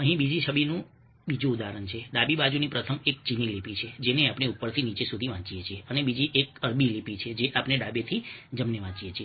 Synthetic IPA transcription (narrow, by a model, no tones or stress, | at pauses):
ə̃ɦĩbid͡ʒiʃʰəbinũ | bid͡ʒũːd̪aɾənt͡ʃʰeɖabibad͡ʒunipɾət̪ʰəmek̚t͡ʃinilipit͡ʃʰed͡ʒeneapɳ̃eupːəɾt̪ʰinit͡ʃesud̪ʱiʋãt͡ʃijet͡ʃʰieʔənebid͡ʒiʔekəɾbilipit͡ʃʰed͡ʒeʔapñeɖabet̪ʰid͡ʒəmneʋãt͡ʃiet͡ʃʰie